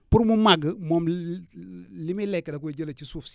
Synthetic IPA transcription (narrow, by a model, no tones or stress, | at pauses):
puɾmumaɡəmɔm | limilɛkːdaked͡ʒəlat͡ʃisufs